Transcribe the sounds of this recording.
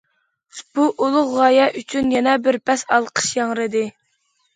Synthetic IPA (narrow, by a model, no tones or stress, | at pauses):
b̥uʔolˠʊʁʁɑjɛʔyt͡ʃʰynjɛnɛbɪɾpʰɛsɑlˠqʰə̥ʃjɑŋɾɨd̪ɨ